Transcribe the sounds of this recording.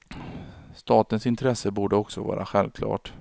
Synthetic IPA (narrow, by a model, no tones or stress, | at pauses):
st̪ɑːt̪ənsɪnt̪ʰɾɛsəbuːɖəɔksɔvɑ̰ːɾʔaɧɛlvkʰlɑ̰ːʈ